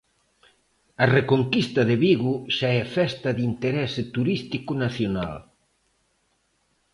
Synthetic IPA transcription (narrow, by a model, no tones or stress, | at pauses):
ɐrekoŋkist̪ɐðɪβiɣʊʃaɛfɛst̪ɐðint̪eɾɛsɪt̪uɾist̪ikʊnaθjona̰l